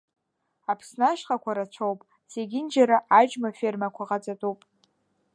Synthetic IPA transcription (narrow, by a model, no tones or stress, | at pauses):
apʰsnaʃχakʷʰaɾat͡ɕʷʰowpʼ | seɡʲɪnd͡ʒaɾaʔad͡ʒmafermakʷʰaʁat͡sʼatʼupʼ